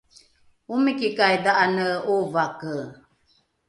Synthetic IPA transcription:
umikikajdaʔanəuvakə

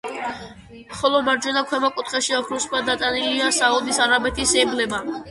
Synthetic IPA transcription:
mχɔlˠɔmaɾd͡ʒwɛnakʰwɛmakʼut̪ʰχɛʃiakʰɾuskʰmad̪at̪ʼaniliasaud̪isaɾabɛt̪ʰisɛblɛba

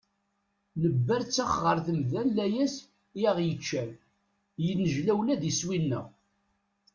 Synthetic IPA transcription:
nəbːæɾt͡sːæχʁəɾθəmðænlæjæs | jæʁjət͡ʃːæn | jənːəʒlæwlæðiswinːə̰ʁ

